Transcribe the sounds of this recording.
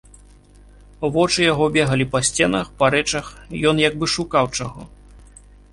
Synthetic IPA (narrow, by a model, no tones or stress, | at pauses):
vɔt͡ʂɨjaɣɔbʲɛɣɐlʲipɐsʲt͡sʲɛnɐxpɐɾɛt͡ʂɐxjɔnjaɡ̚bɨʂukawt͡ʂaɣɔ